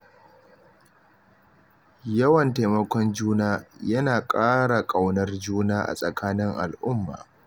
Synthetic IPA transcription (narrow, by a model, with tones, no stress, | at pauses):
jɐ˦wɐ˨nta˨mɐ˦kʷɔ˦nd͡ʒuː˦naː˦jɐ˦naː˨kʼaː˦ɽa˨kʼa˨wnɐ˦rd͡ʒuː˦naː˦ʔa̰˨sʼɐ˨kʰaː˦nɪ˦ŋʔa̰˨lʔʊ˦mːa̰ː˨